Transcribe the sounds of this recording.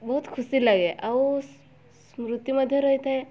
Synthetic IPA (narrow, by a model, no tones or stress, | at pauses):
bəɦut̪kʰusiːlaɡeʔa | smɾut̪juməd̪ʱːjeɾəjt̪ae